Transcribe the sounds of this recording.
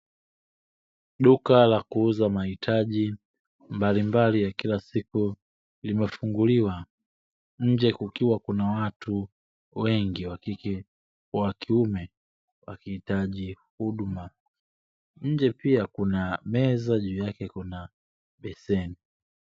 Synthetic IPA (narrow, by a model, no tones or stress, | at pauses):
ɗukalakuuzamahitʰaʄi | mbalimbalijakilasiku | limɛfuŋɡuliwa | ɲ̩d͡ʒɛkukiwakunawatu | wɛŋɡiwakikɛ | wakiumɛ | wa̰kihitaʄihuɗuma | ɲ̩d͡ʒɛpiakunamɛzaʄuːjakɛkuna | ɓɛsɛni